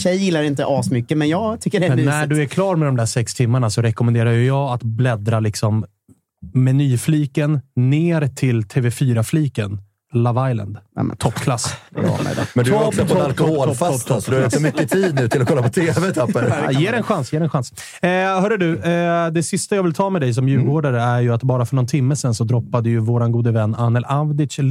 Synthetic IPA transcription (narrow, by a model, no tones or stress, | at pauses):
ɕɛjːɪlːaɾɪnt̪əʔɑːsmʏkːəmɛnjɑːɡt̪ʰʏkːəɖɛmɛnæɖɵæɾkʰlɑːɾmɛd̪ɔmd̪æʂɛkst̪ʰɪmːaɳasɔɾɛkɔmɛnd̪eːɾajɵjɑːɡat̪blɛd̪ɾalɪksɔm | mɛnyːfliːkənːeːɾt̪ʰɪlt̪ʰeːvɛfyːɾafliːkən | lavajla̰nd̪t̪ʰɔpːkʰlas | mɛnt̪d̪ɔksɔɔalkɔhoːlfaɔp̪ːɔd̪ɵhalɪksɔmʏkːət̪ʰiːd̪̚nʉ̟ːt̪ʰɪlɔkʰɔlːapʰɔt̪ʰeːvɛt̪ʰaːəɾjeːɾɛnɧansjeːɾɛnɧans | hœɖəɖɵd̪ɛsɪst̪ajaːvɪlt̪ʰɑːmɛd̪ɛjs̬ɔmjʉ̟ːlɡoːɖaɾəæɾjɵat̪bɑːɾafœɳɔnt̪ʰɪmːəsɛnsɔd̪ɾɔpːad̪əjɵvoːɾanɡuːd̪əvɛnːanːɛlavd̪ɪʂ